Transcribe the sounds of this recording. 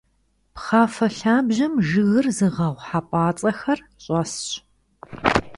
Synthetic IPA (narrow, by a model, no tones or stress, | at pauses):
pχaːfɐɬaːbʑɐmʒɨɣɨrzɨʁɐʁʷħapʷʼɑːt͡sʼɐxɐr | ɕʼɔsɕ